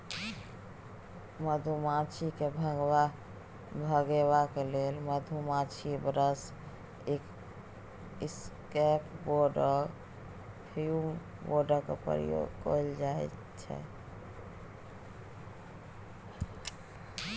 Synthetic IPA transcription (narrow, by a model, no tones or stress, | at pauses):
məd̪ʱumat͡ʃʰikebʱəɡba | bʱəɡeβakelelməd̪ʱumat͡ʃʰibəɾəs | ek | iskɛpboɾɖə | pʰium | boɾɖəɾkḛpə̰ɾḭjo̰ɡkojld͡ʒaɛt̪ | t͡ʃʰɛ̰